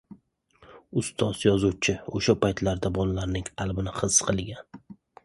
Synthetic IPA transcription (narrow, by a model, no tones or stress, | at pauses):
ʊst̪ʰɒz̥jɒzuwt͡ʃʰɪoʃapajt̪ʰlaɾd̪abɒlalaɾnɪŋalˠbɪnɪχɨsqʰɨlˠɡʲan